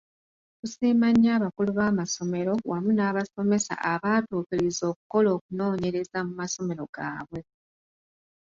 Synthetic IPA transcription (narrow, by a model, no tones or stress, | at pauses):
kusiːmaɲaːβakuluβaːmaso̞me̞ɾo̞wamunaːβaso̞me̞sa̰ʔaβaːtuːkilizo̞ːk̚uko̞lo̞ːk̚uno̞ːɲe̞ɾe̞zamumaso̞me̞ɾo̞ɡ̥aːβwe̞